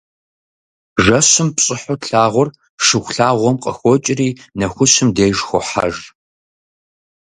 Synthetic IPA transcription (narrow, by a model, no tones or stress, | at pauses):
ʐɐɕɨmpɕʼɪħʊɬaːʁʷɔr | ʂɨxʷɬaːʁʷɔmqʼəxʷɔt͡ʃʼɪriːnɐxʷʊɕɪmdeːjʒxʷɔ̰ħa̰ʒ